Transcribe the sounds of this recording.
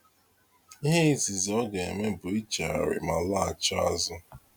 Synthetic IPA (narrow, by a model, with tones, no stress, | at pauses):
i˦ɦe˦i˦si˨zɔ˦ɡa˨e˨me˦bʊ˨i˦t͡ʃa̰˨a̰˨ɾɪ̰˨ma˨la˦a˨t͡ʃa˦a˦zʊ˦